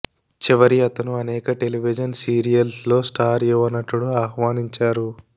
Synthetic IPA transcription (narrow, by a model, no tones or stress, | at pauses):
t͡ʃiʋɐɾiɐt̪ɐnuɐnɛːkɐʈe̞liʋid͡ʒɐnsiːɾijɐlslo̞ːsʈʰaːɾjuʋɐnːɐʈːuɽuaːhʋaːniɲt͡ʃaːɾu